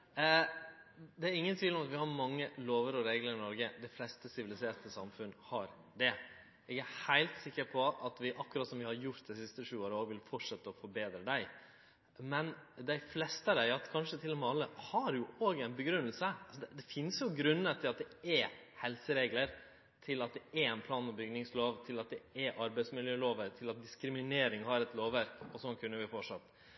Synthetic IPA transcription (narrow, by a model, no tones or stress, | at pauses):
d̪ɛæɾɪŋːənt̪ʰiːlɔmɑt̪ʋɪhɑɾmɑŋːəloːʋəɾɔɾeːɡləɾɪnɔɾɡəd̪æɪflɛst̪əsɪʋɪlɪseːʈ̪əsɑmfʉnːhɑɾ | d̪ɛ | ɛɡæhæɪlt̪sɪkːəɾpʰɔɑt̪ʋɪʔɑkːʊɾɑt̪sɔmʋɪhɑɾjʊɾt̪̚d̪ɛɪsɪst̪əʂʉːoːɾəoːɡʋɪlfɔʈʂɛt̪ːəɔfɔɾbeːd̪ɾəd̪æɪ | mɛnd̪æɪflɛst̪əɾæɑkʰɑnʂət̪ʰɪlːɔmɛɑlːəhɑɾjʊoːɡæɪnbəɡɾʉnːəlsəɑlsɔd̪ɛd̪ɛfɪnsjʊɡɾʉnːət̪ʰɪlɑt̪̚d̪ɛɛhɛlsəɾeːɡləɾ | t̪ʰɪlɑt̪̚d̪ɛɛɛɪnpʰlɑːnɔbʏɡnɪŋsloːʋt̪ʰɪlɑt̪̚d̪ɛɛʔɑɾbæɪsmɪljøːloːʋəɾt̪ʰɪlɑt̪̚d̪ɪskɾɪmɪneːɾɪŋhɑɾɛt̪loːʋːæɾkɔsɔnkʰʉnːəʋɪfɔʈʂɑt̪ː